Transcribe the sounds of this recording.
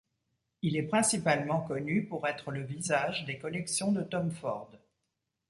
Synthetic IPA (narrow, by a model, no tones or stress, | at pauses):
ilɛpχɛ̃sipalmɑ̃kɔnypuʁɛt̪χələvizaʒd̪ekɔlɛksjɔ̃d̪ət̪ɔmfɔʁd̪